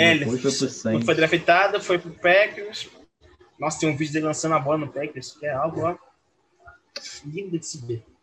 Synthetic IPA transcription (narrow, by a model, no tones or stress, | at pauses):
ɛlɐosfojd̪ɾafit̪ad̪ɐfojpɾʊpɛkus | nɔst̪ẽj̃vid͡ʒʊd̪elɪlɐ̃sɐ̃nd̪ɐbɔlɐnʊpɛkuskɪɛawɡʊa | lĩd̪ɐd͡ʒsibe